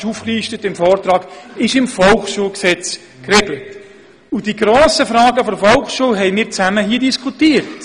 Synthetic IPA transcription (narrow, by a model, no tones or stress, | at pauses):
ʃufkliːʃtətɪmfɔːrtɾɑːɡ̥ɪʃɪmfɔlχʃuːlksɛt͡s | krɛɡlət | ud̥iɡɾoːsəfɾɑːɡəfɔɾfɔlˠχʃuːlɦɛɪmɪːɾt͡sæməɦiːdiskʰutiːəɾt